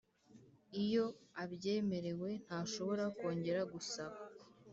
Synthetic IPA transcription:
ijo̞aβje̞ːme̞ɾe̞we̞n̥haːʃo̞βo̞ɾako̞ːɲɟe̞ɾaɡusaβa

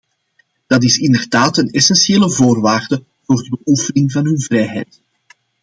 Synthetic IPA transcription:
d̥ɑt̬ɪsɪndərdaːtənɛsɛnsieːləvoːrʋaːrdə | v̥oːrdəbəʔufənɪŋvɑnɦɵnvrɛjɦɛ̰jt

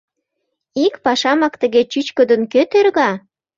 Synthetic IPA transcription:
ikpɑʃɑmɑkt̪əɣet͡ɕyt͡ɕkəd̪ənkøt̪erɣɑ

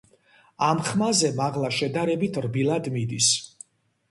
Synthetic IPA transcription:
amχmazɛmaʁlˠaʃɛd̪aɾɛbit̪ʰɾbilˠad̪mid̪is

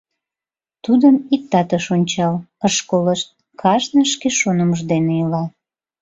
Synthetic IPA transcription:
t̪ud̪əmik̚t̪ɑt̪əʃonʲt͡ɕɑləʃkoləʃ | kʰɑʃnəʃkeʃonəməʒd̪eneilɑ

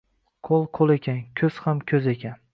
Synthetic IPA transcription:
qʰolˠqʰolˠe̞kʲʰankʲʰɵz̥hamkʲʰɵze̞kʲan

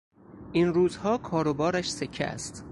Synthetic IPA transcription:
ʔiːnɾuːzhɒːkʰɒːɾobɒːɾæʃse̞cʰːḛæ̰st̪

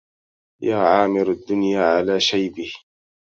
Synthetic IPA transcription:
jaːʕaːmɪɾad̪ːʊnjaːʕalaːʃajbɪh

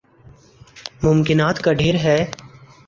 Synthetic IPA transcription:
mʊmkɪnaːt̪kaɖʱeːɾɦɛː

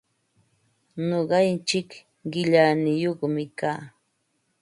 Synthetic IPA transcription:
noɢɑnt͡ʃɪk | ɢɪʎanɪjoχmɪkaː

